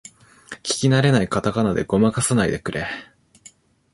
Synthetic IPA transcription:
kʲi̥kʲinaɾe̞naikat̪akanad̪e̞ɡo̞makasanaid̪e̞k̟ɾʔe

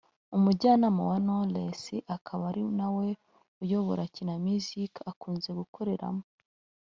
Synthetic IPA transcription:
umuɟaːnamowanolesiʔakʰaβaɾinawe̞ | ujoβoɾacinamizikakuːnze̞ɡukoɾe̞ɾa̰mo

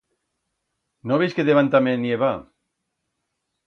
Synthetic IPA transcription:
noβejskeðeβant̪amenieβa

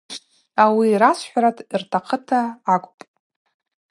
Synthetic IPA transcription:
awiɾasʷħʷᶣaɾatʰirtʰaqʰətʰaːkʷʼpʼ

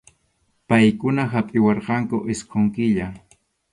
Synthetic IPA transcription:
pajkʊnaɦapʼɪwɑɾqɑŋkʊʔɪsqoŋkɪʎa

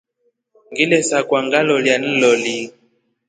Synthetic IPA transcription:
ŋɡilɛsakwaŋɡalɔljan̩lɔli

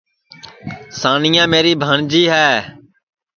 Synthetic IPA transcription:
saːnɪjãːmeːɾiːbʱəːɳd͡ʒiːɦɛː

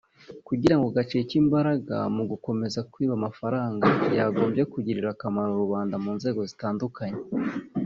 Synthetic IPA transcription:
kuɟiɾaŋɡoɡat͡ʃicimbaɾaɡa̰muɡuko̞me̞zakwiːβamafaɾaːŋɡajaːɡo̞ːmbje̞kuɟiɾiɾakamaɾoɾuβaːndamuːnze̞ːɡo̞zitaːndukaɲe

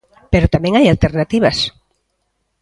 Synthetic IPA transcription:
peɾot̪amẽŋajalt̪eɾnat̪iβ̞as

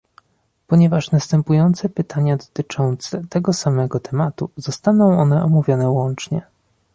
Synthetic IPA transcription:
pɔɲɛvaʂnast̪ɛmpujɔnt̪sɛpɘt̪ʰaɲad̪ɔt̪ɘt͡ʂɔnt̪sɛt̪ɛɡɔsamɛɡɔt̪ʰɛmat̪uz̥ɔst̪anɔ̃w̃ɔnɛʔɔmuvʲjɔnɛwɔnt͡ʂɲɛ

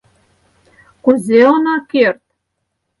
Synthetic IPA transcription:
kuzeonɑkert̪̚

